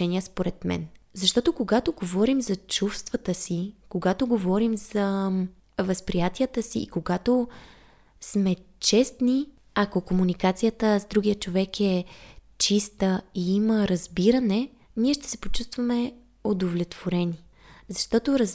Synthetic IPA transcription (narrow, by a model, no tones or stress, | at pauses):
ɛniəspoɾɛt̪mɛ̰nzɐʃt̪ɔt̪okoɡat̪oɡovɔɾimzɐt͡ʃufst̪vɐt̪əsikoɡat̪oɡovɔɾimz̥ə | vəspɾijat̪iət̪əsiːkoɡat̪o | smɛt͡ʃɛst̪ni | akokomunikat̪sijət̪əzd̪ɾuɡʲiət͡ʃovɛkɛ | t͡ʃist̪əiiməɾɐzbiɾənɛ | niɛʃt̪ɛ̥sɛpo̥t͡ʃust̪vɐmɛ | od̪ovlʲɛt̪v̥oɾɛni | zɐʃt̪ɔt̪oɾəz